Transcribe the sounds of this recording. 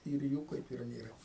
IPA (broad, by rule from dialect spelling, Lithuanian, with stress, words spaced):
ɪr ˈjuː kɐɪp ɪr ˈnʲeːrɐ